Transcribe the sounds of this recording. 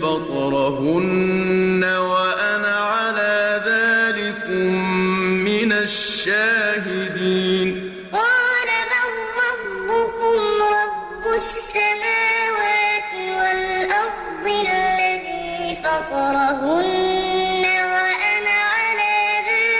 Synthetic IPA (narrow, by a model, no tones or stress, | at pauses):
fɑt̪ˤɾˤɑɦʊnː | awaʔanaʕalaːðaːlɪkʊmː | ɪnaʃːaːɦɪd̪iːn | qɑːlaɾahːɑːʊkʊmɾˤɑbːʊsːamaːwaːt̪ɪwalʔɑɾˤ | d̪ˤɪlːaðiːfɑt̪ˤɾˤɑɦʊnː | awaʔanaʕalaːðaː